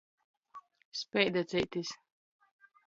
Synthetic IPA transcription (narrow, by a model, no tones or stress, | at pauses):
spʲɛjd̪at̪sit̪is